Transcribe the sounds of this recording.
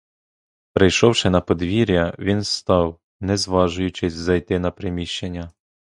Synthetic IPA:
pɾɪjʃɔwʃɪnɐpɔd̪ʋʲiɾʲjɐʋʲinst̪ɑw | nɛzʋɑʒʊjʊt͡ʃɪzʲzɐjt̪ɪnɐpɾɪmʲiʃt͡ʃenʲːɐ

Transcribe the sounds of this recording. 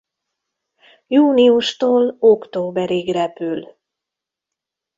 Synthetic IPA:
juːniuʃt̪oːlokt̪oːbɛɾiɡrɛpyl

